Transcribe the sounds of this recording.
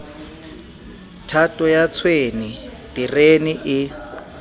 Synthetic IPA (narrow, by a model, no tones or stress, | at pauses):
tʰatʼɔjat͡sʰweni | d̥ireniʔɪ